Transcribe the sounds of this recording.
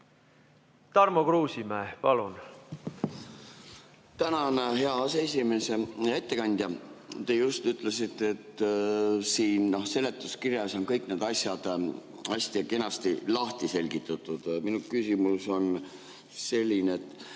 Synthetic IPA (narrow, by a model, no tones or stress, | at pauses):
t̪ɑrmokruːsʲimæːpɑlun | t̪ænɑnɦe̞ɑɑsees̬ʲime̞se̞jɑet̪ːe̞kɑnʲd̪̥ʲjɑt̪e̞just̪yt̪ˑle̞sit̪ːˑeet̪ː | siːnno̞hse̞le̞t̪ːˑuskirjɑso̞nkɤjkne̞ːd̪̥ɑsjɑd̪̥ | ɑsʲt̪iɑke̞nɑst̪ilɑht̪ise̞lʲɡ̥it̪ːˑɑt̪ːˑud̪̥minukysʲimuso̞n | se̞lʲːineet̪ːˑ